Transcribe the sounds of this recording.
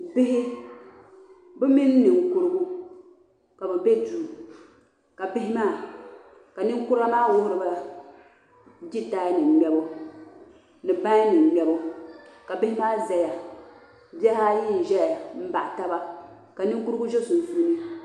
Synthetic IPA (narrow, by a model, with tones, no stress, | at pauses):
bɪ˦ɦɪ˦ | bɛ˦mi˦nː˦ɨ˨ŋku˦ɾɨ˦ɡu˦ | ka˨bɛ˨be˦duː˨ | ka˨bɪ˦hɪ˦maː˦˨ | ka˨nɨ˦ŋkʊ˦ɾa˦maː˦wʊ˦hʊ˦ɾɨ˦ba˦ | d͡ʒi˦ta˦nɨ˨ɡ͡bɛ˨˦bo˦ | nɨ˨ba˦nɨ˨m˨ɡ͡bɛ˦bo˦ka˨bɪ˦hɪ˦maː˦zɛ˨ja˨ | bɛ˦ha˦ji˦n˨ʒɛ˦ja˨m̩˦ba̰˨ʔta˦ba˦ | ka˨nɨ˦ŋ˦ku˦ɾɨ˦ɡu˦ʒɛ˦su˨n˨su˦nɨ˦